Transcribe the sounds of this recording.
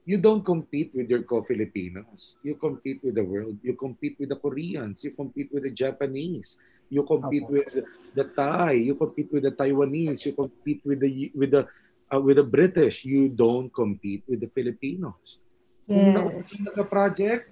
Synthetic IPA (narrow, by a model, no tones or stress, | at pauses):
jud̪õw̃nt̪̚kɔ̃mpit̪̚wɪd̪jɔɹkofɪlɪpḭːnosjukɔ̃mpit̪̚wɪd̪ɐwɛɹld̪̚jukɔmpit̪̚wɪd̪ɐkɔɾiɐ̃nsjukɔmpit̪̚wɪd̪ɐd͡ʒapɐnis | jukɔmpit̪̚wɪd̪d̪ɐt̪ajjukɔmpit̪̚wɪd̪ɐt̪ajwɐnisjukɔmpit̪̚wɪd̪ɐwɪd̪ɐ | ʔwɪd̪ɐbɾɪt̪ɪʃjud̪õwnt̪̚kɔ̃mpit̪̚wɪd̪ɐfɪlɪpinos | uinɐkoɐsɐt̪ɐɡɐpɾad͡ʒɛk̚t̪̚